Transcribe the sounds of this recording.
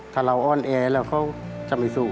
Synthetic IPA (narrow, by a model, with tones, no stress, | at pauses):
t̪ʰaː˧˩la˧˨wʔɔː˧˥˨nʔɛː˧˩lɛː˧˩˨wkʰa˧˩˨wt͡ɕa˧˨ma˧˩suː˧˩